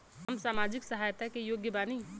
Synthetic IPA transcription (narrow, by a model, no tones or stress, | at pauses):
ɦəmsaːmaːd͡ʒɪksəɦaːjt̪akejoːɡjəbaːni